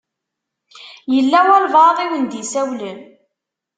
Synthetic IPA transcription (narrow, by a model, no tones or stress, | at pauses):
jəlːæwælvɑðˤiwənd̪isæwlən